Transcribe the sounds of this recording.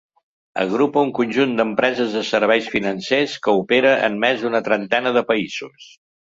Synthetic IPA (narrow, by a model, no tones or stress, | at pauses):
ə̰ɣɾupəuŋkunʲʒund̪əmpɾɛzəzðəsəɾβ̞ɛjsfinənseskəupeɾəʔə̰nmɛzðunət̪ɾənt̪ɛnəðəpəiz̥us